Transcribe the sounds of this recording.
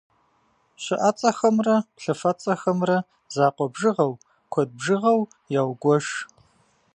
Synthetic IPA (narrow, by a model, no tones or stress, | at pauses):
ɕɪʔat͡sʼɐxɐmrɐɬɐfɐt͡sʼɐxɐmrɐ | zaːqʷɔbʒɨʁɐw | kʷʰɔd̚bʒɨʁɐw | jaːwɡʷɔʂ